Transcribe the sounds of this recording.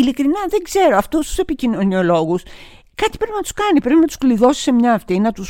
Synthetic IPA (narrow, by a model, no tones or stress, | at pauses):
ilikɾinɐðe̞ɡze̞ɾo̞ɐft̪ust̪u̥se̞picino̞nio̞lo̞ɣus | kɐt̪i̥pɾe̞pinɐt̪u̥skɐnipɾe̞pinɐt̪u̥skliðo̞si̥se̞mɲɐːft̪inɐt̪us